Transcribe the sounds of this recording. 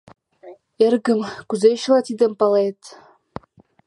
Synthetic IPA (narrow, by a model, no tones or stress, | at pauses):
erɣə̆mkuzeɕlˠɑt̪id̪ɘ̆mpɑlet̪